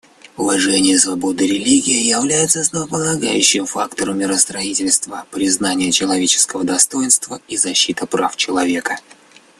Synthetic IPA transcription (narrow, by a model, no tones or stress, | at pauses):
ʊvɐʐɛnʲɪjəsvɐbo̞d̪ɨɾʲɪlʲiɡʲɪjɪjɪvlʲæjɪt̪səslˠəvəpəlˠɐɡa̰jʉɕːɪmfa̰kt̪əɾəmʲːɪɾəst̪ɾɐitʲɪlʲst̪vəpɾʲɪznanʲɪjət͡ɕɪlˠɐvʲet͡ɕɪ̥skəvəd̪ɐst̪o̞jɪnst̪vəizɐɕːit̪əpɾaft͡ɕɪlˠɐvʲe̞kə